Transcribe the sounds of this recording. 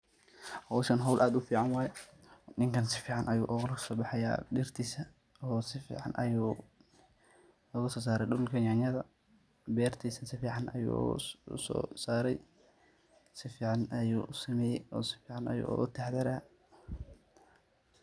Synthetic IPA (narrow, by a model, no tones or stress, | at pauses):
hɔwʃɐnɦɔwlʔaːd̪ʊfiːʕɑnwɑːjɛ | nɪŋkʰɐnsɪ̥fiːʕɑnʔɐjṵːʔɔːɣlsɔːbɑħɛja̰ːɗɪrt̪ʰiːsɐ | ɔːsɪfḭːʕɑ̰nʔɐ̰juː | ɔːɣɐsɔːsaːɾɛɗʊllkʰɐnjaɲɐðɐ | bɛːrt̪ʰiːsɐnsɪfiːʕɑnʔɐ̰jṵsɔ̰ːsaːɾɛj | sɪfiːʕɑnɐjuːʔsɪmɛjɛjɔːsɪ̥fiːʕɑnɐ̰jṵːʔɣʊt̪ʰɛħd̪ɛɾaː